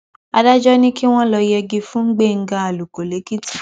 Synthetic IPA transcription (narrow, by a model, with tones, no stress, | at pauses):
a˧da˦d͡ʒɔ˦nĩ˦ki˦w̃ɔ̃˦lɔ˧jɛ˧ɡi˧fũ˦ŋ̩˦ɡ͡be˦˨ŋ̩˦ɡa˧a˨lu˨ko˨le˨˦ki˦ti̥˨